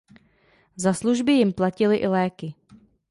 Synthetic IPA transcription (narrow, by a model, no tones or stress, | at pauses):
zasluʒbɪjɪmplacɪlɪʔɪlɛːkɪ